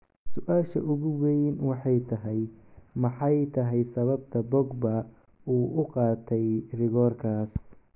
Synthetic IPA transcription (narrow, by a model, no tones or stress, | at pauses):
sʊʔaːʃɐ̰ʔʊɣʊwɛjnwɑħɑjt̪ʰɐɦɛjmɑħɑjt̪ʰɐɦɛjsɐβɐbt̪ʰɐbɔɡbɐ | uːʔʊqɑːt̪ʰɛjrɪɣɔːrkʰaːs